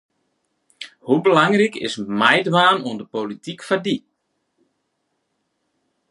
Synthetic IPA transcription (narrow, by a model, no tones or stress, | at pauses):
hubəlaŋrikɪ̰smɛjdʋaːnuəndəpolitikfadi